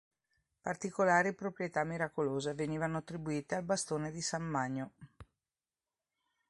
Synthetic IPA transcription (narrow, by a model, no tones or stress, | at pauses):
part̪ikolaːɾipɾopɾjet̪amːiɾakoloːzeveniːvanoat̪ːɾibuiːt̪ealbast̪oːned̪isamːaɲːo